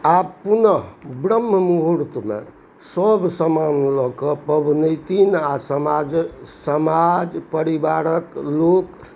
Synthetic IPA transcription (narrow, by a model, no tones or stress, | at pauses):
apunəbɾəmːəmuɦuɾt̪mḛ | səbʱsəmanlɔkəpəbʱnət̪inasəmad͡ʒsəmad͡ʒpəɾibaɾəklok